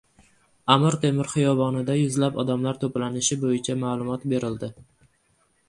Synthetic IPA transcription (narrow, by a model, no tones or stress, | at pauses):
amɪɾt̪ʰe̞mɪɾχɨjɒbɒnɪd̪ajʊzlapɒd̪amlaɾt̪ʰoplanɪʃɪbojɪt͡ʃʰamaːlˠʊmɒt̪be̞ɾɪld̪ɪ